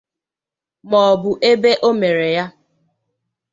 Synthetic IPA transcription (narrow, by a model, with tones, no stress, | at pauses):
mɔ˨bʊ˨ʔe˦be˦ʔo˦me˨ɾe˨ja˦